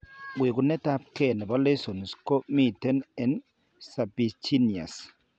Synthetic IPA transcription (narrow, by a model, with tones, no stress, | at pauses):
we˨ɡu˨nɛ˦ta˦p̚kɛ˨nɛ˨ba˦le˦so˨nsko˦mi˦tɛ˦nɛ˨n | sa˨bi˨t͡ʃi˦ni˨a̰˨s